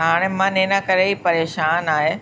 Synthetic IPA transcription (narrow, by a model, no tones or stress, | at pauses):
ɦaːɽ̃emãneːnakɐɾeipɐɾeːʃaːnaːɦe